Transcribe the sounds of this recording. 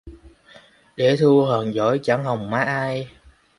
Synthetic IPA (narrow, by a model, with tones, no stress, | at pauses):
ɗe˧˩˦t̪ʰu˧əɦəː˨˩nzɔ̰˧˥jt͡ɕa˧˥ŋɦa˨˩wŋ͡mmaː˨˦˥ʔaː˧j